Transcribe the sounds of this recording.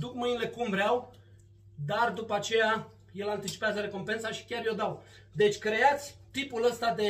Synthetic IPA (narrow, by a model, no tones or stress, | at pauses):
d̪ukmɨjnile̞kumvɾeaw | d̪ard̪upəat͡ʃe̞ja | je̞lant̪it͡ʃi̥peazəɾe̞ko̞mpe̞nsaʃi̥kʲarjo̞d̪aw | d̪e̞t͡ʃʲkɾe̞at̪sʲt̪ipuləst̪ad̪e̞